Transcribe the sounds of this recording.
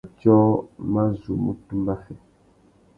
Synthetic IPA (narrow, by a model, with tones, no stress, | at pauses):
t͡ʃɔ˦ma˦zu˨mu˦tu˦la˦fɛ˨